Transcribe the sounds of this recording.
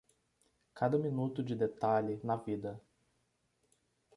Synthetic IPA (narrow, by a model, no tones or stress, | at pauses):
kad̪ɐminut̪ʊd͡ʒɪd̪et̪alɪnɐvid̪ɐ